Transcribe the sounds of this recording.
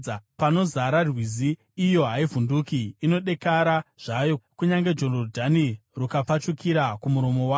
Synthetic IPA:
pano̞zaɾarwiziː | jo̞ɦaivundukiːno̞ɗe̞kaɾaʐ̥ajokuɲaŋɡe̞d͡ʒolordʱanirukap͡fat͡ʃukiɾakumuɾo̞mo̞wa

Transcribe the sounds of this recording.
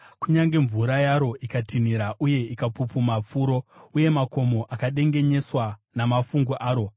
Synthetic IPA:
kuɲaŋɡe̞ɱvuɾajaɾo̞ʔikatʰiniɾaʔuje̞ikapupumap͡fuːɾo̞uje̞mako̞mo̞ʔakaɗe̞ŋɡe̞ɲe̞swanamafuŋɡuʔaːɾo̞

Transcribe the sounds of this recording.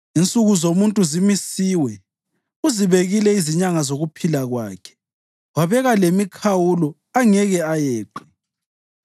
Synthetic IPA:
int͡sʼuɣuzomuntʼuzimisiwɛ | uziβeɣilɛiziɲaŋazoɣupʰilaɣwaːkʰɛ̥ | waβɛɣalemikʰawulɔ | aŋɛɣɛajeːǃi

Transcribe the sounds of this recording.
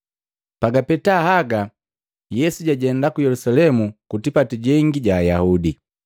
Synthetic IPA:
paɡapɛtahaɡa | jɛsuɟaɟɛndakujɛlusalɛmukutipatiɟɛŋɡiɟaːjahudi

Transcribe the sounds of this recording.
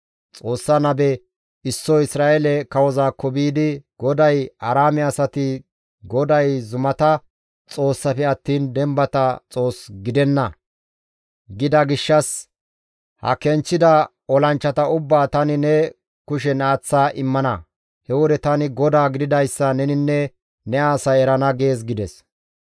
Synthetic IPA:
t͡sʼo̞ːsːanɐbɛ | ɪsːɔɪsɾaːelɛkɐwɔzaːkːɔbiːd̪ɪɡ̥ɔd̪ɐjɐɾaːmɛɐsɐt̪ɪ | ɡɔd̪ɐjzʊmɐt̪ɐ | t͡sʼo̞ːsːɐfɛɐt̪ːiːnd̪ɛmbɐt̪ɐt͡sʼo̞ːsɡɪd̪ɛnːɐ | ɡɪd̪ɐɡɪʃːɐs | hɐ̰kɛnt͡ʃːɪd̪ɐ | ɔlɐnt͡ʃːɐt̪ɐʊbːaːt̪ɐnɪnɛ | kʊʃ̬ɛnaːt͡sːaːʔɪmːɐnɐ | hɛwɔd̪ɛt̪ɐnɪɡɔd̪aːɡɪd̪ɪd̪ɐjsːɐnɛnɪnːɛ | nɛaːsɐjɛɾɐnɐɡe̞ːs̬ɡɪd̪ɛs

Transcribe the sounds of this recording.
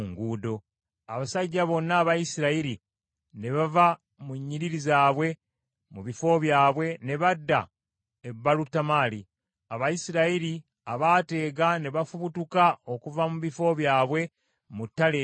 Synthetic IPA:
ŋɡuːdo̞ | aβasaɟːaβo̞nːaːβajisiɾaiɾi | ne̞βava | muɲːiɾiɾizaːβwe̞ | muβifo̞βjaːβwe̞ne̞βadːa | ebːalutːamali | aβajisiɾaiɾi | aβaːte̞ːɡane̞βafuβutukao̞kuvamuβifo̞βjaːβwe̞ | mutːale

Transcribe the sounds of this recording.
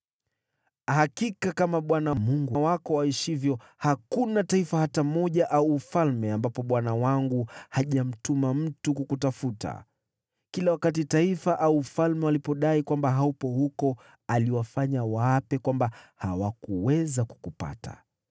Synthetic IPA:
hakikakamaɓwanamuŋɡuawakɔwaiʃivjɔ | hakunataifahatamɔʄaʔauːfalmɛambapɔɓwanawaŋɡuhaʄam̩tumam̩tukukutafuta̰ | kilawakat̬itaifaʔauːfalmɛwalipɔɗaikwambaɦaupɔhukɔ | aliwafaɲawapɛkwambaha̰wakuwɛzaku̥kupa̰tʰa̰

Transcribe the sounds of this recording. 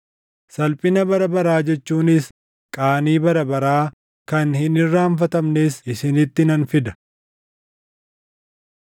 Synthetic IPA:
sɐlpʼɪnɐbɐɾɐbɐɾaːd͡ʒɛt͡ʃːuːnɪs | kʼaːniːbɐɾɐbɐɾaː | kɐnhɪnɪrːaːɱfɐt̪ɐmneːsɪsɪnɪt̪ːɪnɐnfɪd̪ɐ̥

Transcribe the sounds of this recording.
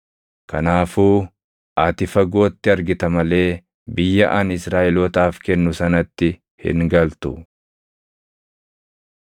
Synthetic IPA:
kɐnaːfuː | ʔaːt̪ɪfɐɡo̞ːt̪ːɪɐɾɡɪt̪ɐmɐle̞ː | bɪjːɐʔaːnɪsɾaːʔɛlɔːt̪aːfkɛnːʊsɐnɐt̪ːɪ | hɪ̰ŋɡɐlt̪ʊ

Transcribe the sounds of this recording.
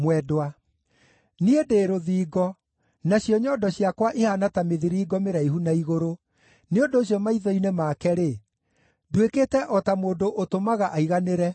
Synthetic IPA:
mwɛdwa | niedeːɾoðiːɡɔ | naɕjɔɲɔːdɔɕiakwaʔehanatameðiɾiːɡɔmeɾaiɦunaiɣoɾo | neondoːɕjɔmaiðɔinemakɛɾe | dwekeːtɛʔɔtamoːndoʔotomaɣaʔaiɣaneɾɛ

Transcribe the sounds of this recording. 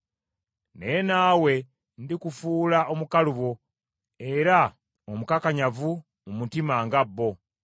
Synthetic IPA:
nenaːwe̞ | ndikufuːlaʔo̞mukaluβo̞ | e̞ɾa | omukakaɲavu | umutimaŋɡabːo̞

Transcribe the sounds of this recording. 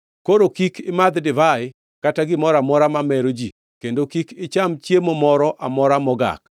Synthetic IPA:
koɾokikɪmad̪dɪvaɪ | kataɡɪmɔɾamɔɾamamɛɾod͡ʒi | kendokikɪt͡ʃamt͡ʃjemomɔɾɔʔamɔɾamɔɡa̰k̚

